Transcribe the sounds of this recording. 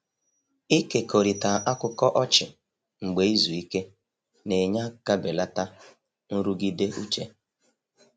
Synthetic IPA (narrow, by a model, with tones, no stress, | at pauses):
i˦ke˨ko˨ɾi˨ta˨ʔa˦kʊ˦kɔ˦ʔɔ˦t͡ʃɪ˨ | ŋ͡m̩˨ɡ͡be˨i˦zu˨i˦ke˦ | ne˨ɲa˦ka˦be˨la˦ta˦ | n̩˦ɾu˦ɡi˦de˦ʔu˦t͡ʃe˦